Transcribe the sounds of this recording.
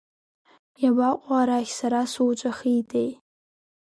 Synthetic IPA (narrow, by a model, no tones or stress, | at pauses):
jabaqʷʼaɾaxʲsaɾasuwt͡ʃʷʼaχiːtʰʼej